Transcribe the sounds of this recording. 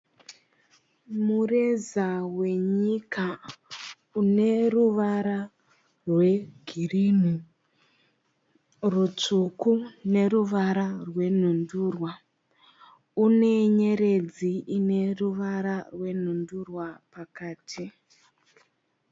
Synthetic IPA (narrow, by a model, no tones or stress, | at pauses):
mure̞zawe̞ɲika | une̞ruʋaɾa | rwe̞ɡʱiriːn̤u | rut͡ʂukune̞ɾuʋaɾarwe̞n̤unduːrwa | une̞ɲe̞ɾe̞d͡ziine̞ruʋaɾarwe̞n̤undurwapakaːtʰi